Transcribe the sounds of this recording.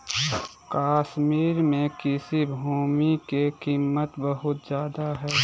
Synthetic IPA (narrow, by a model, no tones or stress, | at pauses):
kaːʃmiːɾmẽkɪsibʱuːmikekiːmːət̪bəɦʊt̪zjaːd̪aɦɛː